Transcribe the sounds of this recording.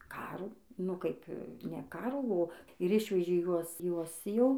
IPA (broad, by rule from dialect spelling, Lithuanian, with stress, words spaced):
ˈkɑːruː nʊ ˈkɐɪp nʲɛ ˈkɑːruː oː ɪr ˈɪʃʲʋʲɛʒʲeː ˈjuɔs ˈjuɔs ˈjɛʊ